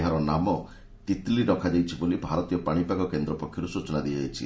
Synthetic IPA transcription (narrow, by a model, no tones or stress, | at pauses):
ɦaɾɔnamɔ | t̪it̪liɖɔkʰad͡ʒajt͡ʃʰibolibʱaɾɔt̪ijɔpaɽ̃ipakɔkend̪ɾɔpɔkʰːjɔɾusut͡ʃɔnad̪iajt͡ʃʰḭ